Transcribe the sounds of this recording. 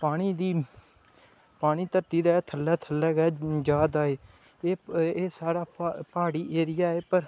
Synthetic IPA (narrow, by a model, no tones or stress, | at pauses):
paːɽ̃iːd̪iː | paːɽ̃iːt̪əɾt̪iːd̪aːt̪ʰəlːɛːt̪ʰəlːɛːɡɛːd͡ʒaːd̪aːeː | eːeːsaːɾaːpaːɽiːʔeːɾɪjaːeːpəɾ